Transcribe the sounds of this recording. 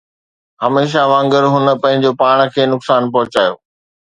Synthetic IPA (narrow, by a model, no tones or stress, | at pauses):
ɦɐmeːʃ̬aʋãːŋɡəɾɦʊnə̆pɐ̃ɦɪ̃ɲd͡ʑopaːɽ̃̆kʰeːnʊksaːnpɐɦʊt͡ɕaːjo̰ː